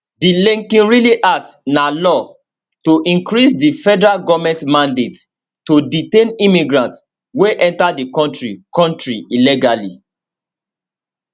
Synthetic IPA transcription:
dilĩŋkĩnɹiliʔasnalɔ | toʔĩŋkɹisdifɛdɛɹaɡɔvmɛ̃ntmãndet | toditẽnimiɡɹãnt | weʔɛ̃ntadikɔ̃ntɹikɔ̃ntɹiiliɡalḭ

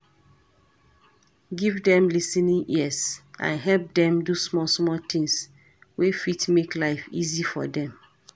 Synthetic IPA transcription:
ɡivdɛ̃mlisɛnĩŋʔiəsʔã̰nɦɛlp̚dɛ̃mdusmɔsmɔlt̪ĩŋs | wefitmeklaɪfḭzifɔ̰dɛ̃m

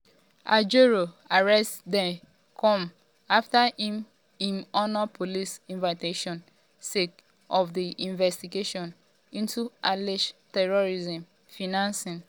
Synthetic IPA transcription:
a̰d͡ʒoɹo | aɹɛstdɛ̃ | kʰɔ̃m | aftahĩm | ĩnɔnapʰolisĩnvaɪteʃɔ̃n | sek | ɔfdiʔĩnvɛstiɡeʃɔ̃n | ĩntuʔaliʃtɛɹoɹizɛ̃m | finãnsĩn

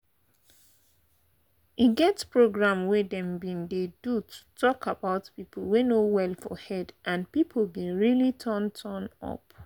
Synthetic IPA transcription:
iɡɛtspɹoɡɹãmwɛdɛ̃mbĩndedutʰu̥tʰɔkʰabaʊtpipʰl̩wenowɛlfɔ̰hɛdʔãnpipʰl̩bĩɹilitʰəntʰənɔ̰p

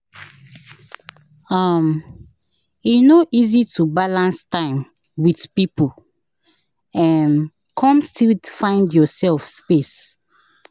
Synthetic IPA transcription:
am | inoʔizitʰubalãnstãɪ̃m | widpipu | ɛ̃n | kʰɔ̃mstilfãɪ̃ndjɔsɛlfspes

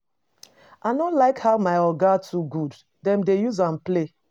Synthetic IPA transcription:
anɔlaɪkhaʊmaɪɔɡatʰuɡud | dɛ̃mdejuzãnple

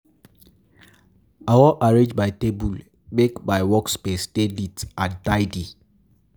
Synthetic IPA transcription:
awɔʔaɹẽd͡ʒbaɪtebul | bekbaɪwɔkspesdelitantaɪdi

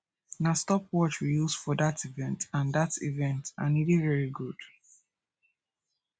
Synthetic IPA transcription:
nastɔp̚ʰwɔt͡ʃɹijuz̥fɔdativɛ̃ntãndativɛ̃nta̰nidevɛɹiɡud̥

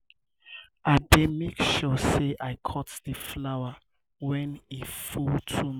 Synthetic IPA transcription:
ademekʃɔseʔaɪkʰɔtðəflawa | wɛ̃nifultʰum

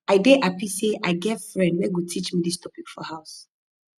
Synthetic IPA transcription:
aɪdeʔapiseʔaɪɡɛvfɹɛ̃ndwɛɡutʰit͡ʃmidistʰɔpikfɔhaʊs

